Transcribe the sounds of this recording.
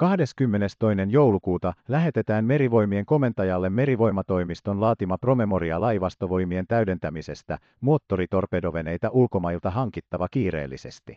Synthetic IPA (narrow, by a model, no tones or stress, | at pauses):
kɑhde̞skymːe̞ne̞st̪o̞jne̞njo̞wlukuːt̪ɑlæɦe̞t̪e̞t̪æːnme̞ɾiʋo̞jmie̞ŋko̞me̞nt̪ɑjɑlːe̞mːe̞ɾiʋo̞jmɑt̪o̞jmist̪o̞nlɑːt̪imɑpro̞me̞mo̞ɾiɑlɑjʋɑst̪o̞ʋo̞jmie̞nt̪æɥde̞nt̪æmise̞st̪æ | moːt̪ːo̞ɾit̪o̞rpe̞do̞ʋe̞ne̞jt̪æʔulko̞mɑjilt̪ɑɦɑŋkit̪ːɑʋɑkiːɾḛːlːḭse̞̰st̪i